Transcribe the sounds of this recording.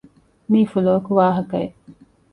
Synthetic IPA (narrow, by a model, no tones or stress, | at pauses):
miːfuloːkuʋaːɦɐkɐe